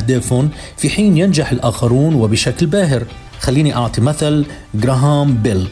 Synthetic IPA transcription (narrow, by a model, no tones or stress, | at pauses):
d̪aːfʊn | fiħiːnjɪnd͡ʒaħɪlʔaːxɑɾˤuːnwɪbɪʃaklbaːɦɪɾ | xalːiːniʔɑʕt̪ˤimaθal | ɡɾˤɑɦaːmbɪl